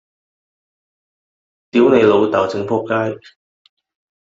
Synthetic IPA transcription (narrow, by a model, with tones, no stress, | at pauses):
t̪iː˨˥wne˨˧jlo˨˧wt̪aː˨˩wt͡sɪ˨˥ŋpʰɔː˥kːaː˥j